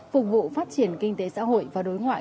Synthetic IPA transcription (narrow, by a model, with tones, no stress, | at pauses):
fʊ˨˩k͡p̚vṵ˧˨faː˦˥t̚t͡ɕi˧˩ənkï˧ŋ̟t̪e˨˦sa̰ː˧˥ɦo̰˧˨jvaː˨˩ɗo˨˦jŋwa̰ː˧˨